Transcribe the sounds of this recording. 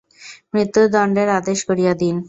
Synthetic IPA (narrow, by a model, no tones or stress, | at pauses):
mɾit̪ːud̪aɳɖeɾaːd̪eʃɡəɽijad̪iːn